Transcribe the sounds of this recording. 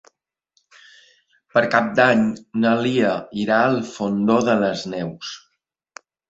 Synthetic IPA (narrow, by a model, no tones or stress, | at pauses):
pəɾkap̚d̪aɲnəliəiɾaəlˠfond̪oðələznɛws